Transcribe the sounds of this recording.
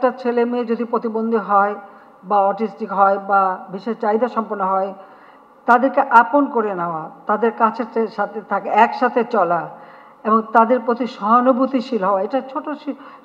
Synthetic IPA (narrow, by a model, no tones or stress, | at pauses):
ɛk̚ʈat͡ɕʰelemied͡ʑod̪ipɾot̪ibond̪ʱiɦɔe | baɔʈisʈikɦɔebabiʃeʃt͡ɕajd̪aʃɔmponːoɦɔe | t̪ad̪eɾkeʔaponkoɾenaoat̪ad̪eɾkat͡ɕʰeeʃat̪ʰet̪ʰakeɛkʃat̪ʰet͡ɕɔla | eboŋt̪ad̪eɾpɾot̪iʃɔɦonobut̪iʃilɦɔoaeʈat͡ɕʰoʈoʃi